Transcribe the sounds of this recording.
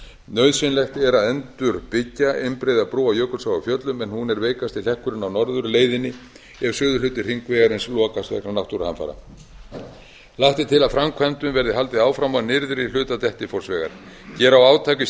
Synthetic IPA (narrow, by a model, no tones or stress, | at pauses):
nœɥðsvɪnlɛxt̪ɛɾaðɛnt̪ʏɾpɪcːaʔejmpɾejðapɾuːawjœːkʏsawafjœt̪lʏmɛnhunɛɾveːjkast̪ɪl̥ɛhkʏɾʏnawnɔɾðʏɾleːjðɪnːɪ | ɛv̥sʏːðʏʏːt̪ɪr̥hiŋkvɛːɣaɾɪnslɔːkast̪vɛ̰knanawht̪uɾaha̰nfa̰ːɾa̰ | laht̪ɪt̪ʰɪlaðfɾamkʰvant̪ʏmvɛɾðɪɦalt̪ɪaːwfɾamanɪɾðɪɾilʏːt̪at̪ɛht̪ɪfɔrsvɛːɣa̰ɾ̥ | cɛːɾawaːwt̪ʰaːcɪ